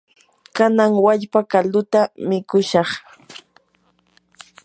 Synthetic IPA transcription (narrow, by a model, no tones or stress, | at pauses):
kanaŋwaʎpakald̪ʊt̪amɪkʊʃɑχ